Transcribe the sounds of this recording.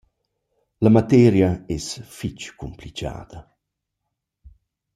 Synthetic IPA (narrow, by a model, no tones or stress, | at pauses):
lamat̪ɛːɾjaɛsfit͡ʃkumplit͡ʃa̰ːd̪̥ɐ